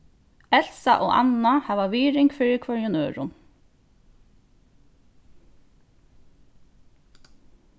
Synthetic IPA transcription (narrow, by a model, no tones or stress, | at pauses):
ɛl̥sa̰ʔoːɑ̰nahɑːʋaʋiːɾɪŋkfɪːɹɪkʰœɹjʊnøːɹʊ̰n